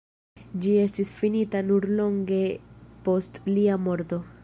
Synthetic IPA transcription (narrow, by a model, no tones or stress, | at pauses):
d͡ʒie̞stisfinitanuɾlo̞ŋɡe̞po̞stliamo̞ɾto̞